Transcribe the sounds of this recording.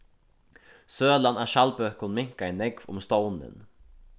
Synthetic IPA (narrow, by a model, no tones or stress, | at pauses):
søːlɑnæːʃɑlbøkʊnmɪŋkɑɛːnɛɡʋʊ̰mst̪oʊnə̰n